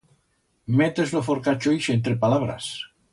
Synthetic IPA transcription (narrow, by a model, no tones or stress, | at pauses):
met̪ezlofoɾkat͡ʃojʃent̪ɾepalaβ̞ɾa̰s